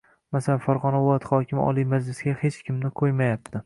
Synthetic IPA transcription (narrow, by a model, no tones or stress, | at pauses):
masalanfaɾʁɒnavʊlˠat̪χɒkʲɪmɒ̰lˠimad͡ʒlɪsɡʲahet͡ʃkʲɪmnɪqʰojmajap̚t̪ʰɪ